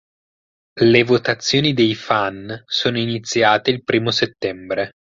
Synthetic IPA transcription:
levot̪at̪sːjoːnid̪ejfansoːnoinit̪sːjaːt̪eilpɾiːmoset̪ːɛmbɾe

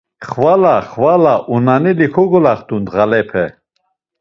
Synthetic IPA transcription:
χvalaχvalaʔunanilikʰɔɡɔlaχt̪und̪ʁalɛpʰɛ

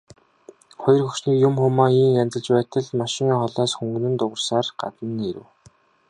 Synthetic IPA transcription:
χɔjɞ̆rxɵkt͡ɕniːkjʊmxʊmaːiːŋjant͡sə̆ɮt͡ɕpæːt̪ə̆ɮmaʃɪ̆ŋiːχɔɮaːsxɵŋɡɵ̆nɘ̆nt̪ʊʁə̆rsaːrɢa̰t̪ə̆nːeɾɘ̆w

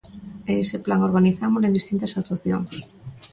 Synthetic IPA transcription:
eesɪplaŋoɾɣaniθamʊsẽnd̪ist̪int̪asak̚t̪uwaθjo̰ŋs

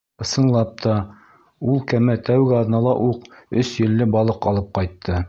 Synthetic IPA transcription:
ɤ̆sɤ̆ɴlˠɑp̚t̪ʰɑ | ulˠkæmæt̪æwɡɘɑðnɑlˠɑ̰ʔuqɵsjɘ̆lːɘbɑlˠɤqɑlˠɤp̚qɑjt̪ʰːɤ

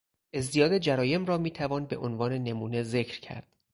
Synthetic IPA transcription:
ʔe̞zd̪ijɒːd̪ed͡ʒæɾɒːje̞mɾɒːmiːt̪ʰævɒːnbeʔonvɒːne̞ne̞muːneze̞cʰɾcʰæ̰ɾd̪̥

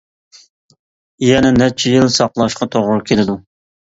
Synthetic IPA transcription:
jɛnɛnɛt͡ʃʰijilsɑqlˠɑʃqɑt̪ʰoʁʊɾkʲʰelɪd̪u

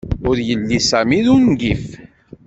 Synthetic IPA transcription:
ʊɾjəlːisæmiðunɡif

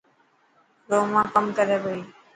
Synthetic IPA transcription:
ɾoːmãːkəmkəɾeːʋoːiː

